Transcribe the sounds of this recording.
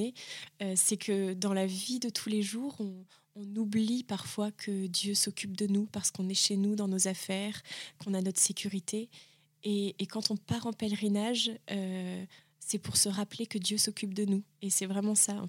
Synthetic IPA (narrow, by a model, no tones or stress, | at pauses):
eøsɛkʰəd̪ɑ̃lavid̪ət̪ʰuleʒuːʁɔ̃ː | nublipaʁfwakʰəd̪jøsɔkʲyp̚d̪ənupaʁsə̥kɔ̃nɛʃenud̪ɑ̃nozafɛʁkɔ̃nanɔt̪χsekʲʰyʁit̪ʰeː | kɑ̃t̪ɔ̃paʁɑ̃pɛlʁinaʒø | sɛpuʁsəʁaplekəd̪jøsɔkʲyp̚d̪ənuesɛvʁɛmɑ̃saɑ̰̃